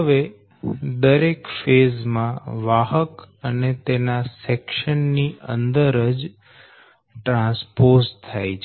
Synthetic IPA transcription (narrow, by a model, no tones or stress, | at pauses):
əʋe | d̪əɾekfezmãʋaɦəkənet̪enasɛkʃənːiʔə̰nd̪əɾəd͡ʒ | ʈɾãspost̪ʰːajt͡ʃʰ